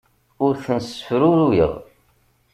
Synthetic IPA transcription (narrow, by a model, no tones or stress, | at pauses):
ʊɾθənsəfɾʊɾujə̰ðˤ